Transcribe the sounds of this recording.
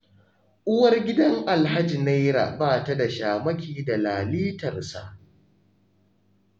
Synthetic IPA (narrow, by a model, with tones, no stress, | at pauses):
ʔʊ˦wɐ˦rɡʲɪ˦dɐ˦ŋʔa˨lɦa˦d͡ʒi˨na˦jɾa̰˨baː˦ta˦da˨ʃaː˨mɐ˦kʲiː˨da˨laː˨liː˦tɐ˨rsa̰˨ʔ